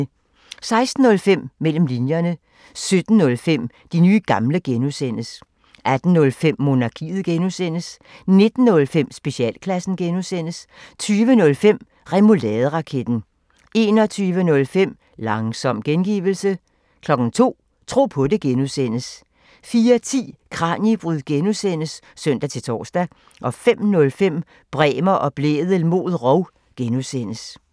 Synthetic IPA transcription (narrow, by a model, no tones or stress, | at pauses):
sɑ̈ɪsd̥n̩ːɔ̽lfem̰mːel̰m̩linjɐnə | sød̥n̩nɔ̽lfem̰ | d̥inyːɡ̥ɑ̈mləɡ̥enusen̰əs | ʔæd̥n̩ːɔ̽lfem̰mo̝nɑ̈kʰḭːð̩ˠɡ̥enusen̰əs | ne̝d̥n̩nɔ̽lfem̰sb̥e̝ɕiɛ̰ːl̰kʰlæsn̩ɡ̥enusen̰əst͡sʰyːʋənɔ̽lfem̰ | ʁɛmolɛːðˠʁɑ̈kʰed̥n̩ | e̝nɒ̽t͡sʰyːʋənɔ̽lfem̰ | lɑ̈ŋsɒ̽m̰ɡ̥enɡ̥ḭːʋl̩sə | kʰlɒ̽ɡ̥n̩t͡sʰo̝̰ː | t͡sʰʁo̝̰ːpʰɔ̽de̝ɡ̥enusen̰əs | fiːɐt͡sʰḭːkʰʁɑ̈njib̥ʁyðˠɡ̥enusen̰əs | sœn̰d̥æt͡sʰe̝lt͡sʰɒ̰ːsd̥æ | ʔɒ̽fem̰nɔ̽lfem̰ | b̥ʁɛːmɐʔɒ̽b̥lḛːðˠəlmo̝̰ːð̞ˠʁɒʊ | ɡ̥enusen̰əs